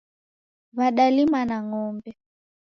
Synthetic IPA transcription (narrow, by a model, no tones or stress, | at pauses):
βaɗalimanaŋɔmbɛ